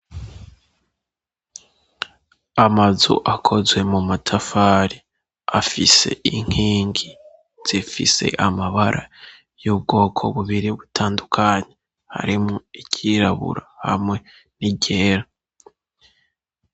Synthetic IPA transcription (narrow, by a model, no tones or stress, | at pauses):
amazṵʔakʰo̞zwe̞mumatʰafaːɾi | afise̞̰ʔiŋ̥hiːŋɡi | z̥ifḭse̞̰ʔamaβaɾʔa | jub̚ɡo̞ːkʰo̞̰βuβiɾiβutʰaːndukʰaɲe | ha̰ɾimŋoicʰiɾaβṵɾahamŋwe̞ | niɟe̞ːɾa